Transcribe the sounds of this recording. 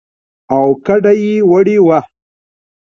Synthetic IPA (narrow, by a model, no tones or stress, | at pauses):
awkaɖajiwɐɽiwa